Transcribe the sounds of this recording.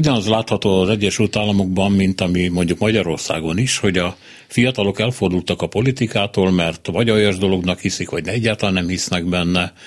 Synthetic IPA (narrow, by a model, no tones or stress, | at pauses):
uɟɒnɒzlaːt̪hɒt̪oːɒzɛɟːɛʃylt̪aːlːɒmoɡbɒmːint̪ɒmimo̞ɲɟukmɒɟɒɾo̞rsa̰ːɡo̞niʃho̞ɟɒ | fijɒt̪ɒlo̞kɛlfo̞rd̪ult̪ɒkɒpo̞lit̪ikaːt̪oːlmɛrt̪vɒɟɒjɒʒd̪o̞lo̞ɡnɒkhisikʋɒɟnɛɛɟːaːlt̪ɒlanɛmhisnɛɡbɛnːɛ